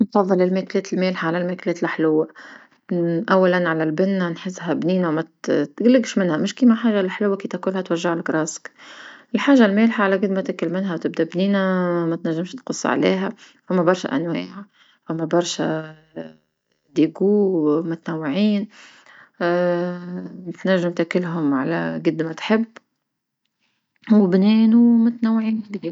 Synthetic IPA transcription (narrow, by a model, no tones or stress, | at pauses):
nfɑðˤːɨlɪlmeːkleːt̪ɪlmeːlħaʕalalmekleːt̪ɪlʔɪħlʊwːa | ʔawːalanʕalalbɪnːanħɪzːɦæbniːnawmæt̪ɡlɪɡʃmɪnhæmɪʃkiːmaħaːʒalħlʊwːakit̪akuːlhat̪waʒːaʕɪlɡɾɑːskʔɪlħaːʒalmeːlħaʕalakɪd̪mat̪ɪkɪlmɪnɦawt̪ɪb̚d̪abniːnamæt̪naʒːɪmʃt̪qʊsˤːʕa̰lḛːɦæ | fʊmːabɑɾˤʃa̰ʔa̰nwaːʕa | fʊmːabɑɾˤʃa | d̪iːɡuːmʊt̪anawːɪʕiːn | ɪt̪naʒːɪmt̪akɪlɦʊmʕa̰la̰ɡɪd̪ːmat̪ħɪbː | wɪbneːnumʊt̪nawːʕiːnlihi